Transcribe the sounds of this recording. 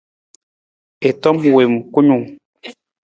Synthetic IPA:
e˨tɔ˦m˨we˨m˨ku˦ɲu˨ŋ

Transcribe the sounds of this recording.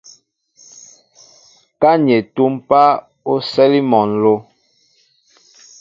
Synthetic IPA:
ka˦ɲe˨tu˦mpa˦ | o˦sɛ˦li˦mɔ˨nlo˦

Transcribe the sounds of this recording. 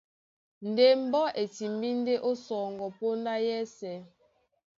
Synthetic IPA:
n˨de˦˨m̩˦bɔ˦ʔe˨ti˨m˦bi˦n˦de˦ʔo˦sɔː˨ŋɡɔ˨po˦nda˦jɛ˦sɛ˨˦

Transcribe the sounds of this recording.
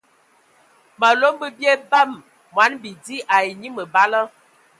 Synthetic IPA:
ma˨lo˦mbə˦bje˦ba˦˨m | mwa˨˦nbi˨di˦ʔa˨i˨ɲi˦mə˨ba˦lə˦

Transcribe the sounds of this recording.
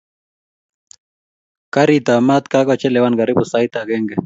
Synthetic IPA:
ka˦ɾit̪a˨ma˦t̪kakɔt͡ʃɛlɛwanɡa˨ɾi˦bu˨sajt̪a˨ɡɛ˦ŋɡɛ

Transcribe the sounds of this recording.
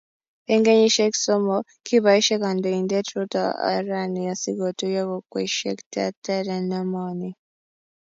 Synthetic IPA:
e˦ŋɡe˦ɲiʃe˦ki̥somo | kiβa˨i˦ʃe˦ka˨ndo˨i˨nde˦tɾuta̰a̰ɾani˨ja˨si˦ɡo˨tuje˦βokwḛʃḛ˦kta˦te˦ɾenamani

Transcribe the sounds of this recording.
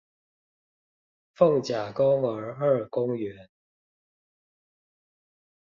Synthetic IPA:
fɤ˥˩ŋt͡ɕja˨˩kʊ˥ŋə˧˥ə˞˥˩kʊ˥ŋɥɛ˧˥n

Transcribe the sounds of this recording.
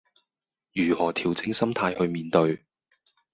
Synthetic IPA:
jyː˨˩hɔː˨˩t̪ʰiː˨˩wt͡sɪ˧ŋsɐ˥mt̪ʰaː˧jhɵ˧ɥmiː˨˧nt̪ɵ˧ɥ

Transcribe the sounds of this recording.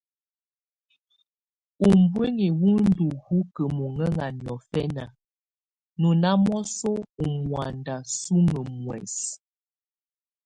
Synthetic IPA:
u˨mbwe˦ŋe˨wu˦n̩˦du˨hu˦kə˨mo˨ŋə˦ŋa˨njɔ˨fɛ˦na˨ | nu˨na˦mɔ˦so˦u˨mwa˨nda˨su˦ŋə˨mwɛ̰˨s

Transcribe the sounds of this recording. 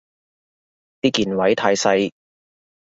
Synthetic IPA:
t̪iː˥kiː˨nwɐ˨˥jt̪ʰaː˧jsɐ˧j

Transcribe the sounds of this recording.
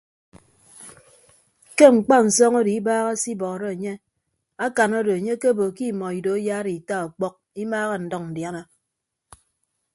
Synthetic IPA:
ke˦ŋ͡m̩˨k͡pa˦n̩˨sɔ˦ŋo˦di˨i˦baː˦ɣa˦si˦bɔ˨ɾe˦e˨ɲe˦ | a˦ka˨no˦do˨e˨ɲe˦ke˦bo˨ki˦˨mɔ˨i˨do˨e˦jaː˦ɾi˨ta˦ɔ˨k͡pɔ˦k̚i˦maː˦ɣa˦n̩˨dɔ˦ŋn̩˨dja˦na˦

